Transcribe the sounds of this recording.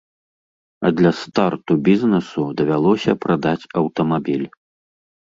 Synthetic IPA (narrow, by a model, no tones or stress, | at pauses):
ɐ̰d̪lʲɐst̪art̪ubʲiznɛsud̪ɐvʲalˠɔsʲɐpɾad̪at͡sʲɐwt̪ɐmabʲilʲ